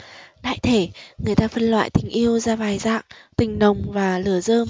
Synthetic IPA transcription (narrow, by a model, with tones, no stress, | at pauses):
ɗa̰ː˧˨jt̪ʰe˧˩ŋɨ˨˩əjt̪aː˧fə˧nlwa̰ː˧˨jt̪ï˨˩ŋ̟ʔi˧əwzaː˧vaː˨˩jza̰ː˧˨ŋt̪ï˨˩ŋ̟ɗə˨˩wŋ͡mvaː˨˩lɨ˧˩əzəː˧m